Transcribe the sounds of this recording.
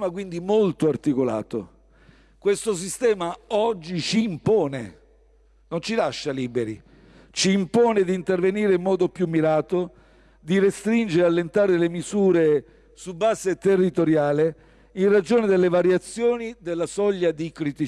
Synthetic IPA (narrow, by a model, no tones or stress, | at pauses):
makwind̪imolt̪oart̪ikola̰ːt̪o̰ | kwest̪os̬ist̪ɛːmaɔd͡ʒːit͡ʃiːmpɔːne | nont͡ʃilaʃːaliːbeɾḭ | t͡ʃiːmpɔːned̪iːnt̪erveniːɾeimːɔːd̪opjumːiɾaːt̪o | d̪irest̪ɾind͡ʒeɾealːent̪aːɾeelemizuːɾe | subːaːset̪erːit̪oɾjaːle | inrad͡ʒoːned̪elːevaɾjat̪sːjoːnid̪elːasɔʎːad̪ikɾit̪i